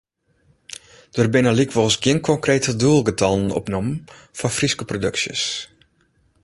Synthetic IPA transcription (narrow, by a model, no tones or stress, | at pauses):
d̥ərbɪnəlikʋɔsɡɪənkʰɔŋkreːtəduəlˠɡətɑlˠənɔ̰pnɔm | fɔfriskəprodøksjə̰s